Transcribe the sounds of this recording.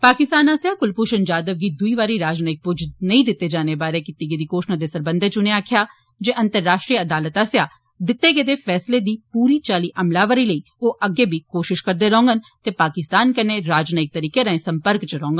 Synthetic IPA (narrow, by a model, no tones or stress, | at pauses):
paːkɪst̪aːnaːsjaːkʊlpuʃənd͡ʒaːd̪əʋɡiːd̪ʊiːʋaːɾiɾaːd͡ʒnaːɪk̚pʊd͡ʒnəĩd̪ɪt̪ːed͡ʒaːnebaːɾekɪt̪ːiɡed̪iːkoːʃnãd̪eːsəɾbə̃nd̪ʱet͡ʃʊneaːkʰjaː | d͡ʒeːʔə̃nt̪əɾːaːʃʈɾiːəəd̪aːlət̪aːsjaː | d̪ɪt̪ːeɡed̪eːfʰɛːsled̪iːpuːɾiːt͡ʃaːliːʔəmlaːʋəɾiːləiː | oːʔəɡeːbʱikoːʃɪʃkəɾd̪eɾɔ̃ːŋɡənt̪eːpaːkɪst̪aːnkəneɾaːd͡ʒnaɪk̚t̪əɾiːkeɾə̃ẽsə̃mpəɾkt͡ʃəɾɔ̃ːŋɡən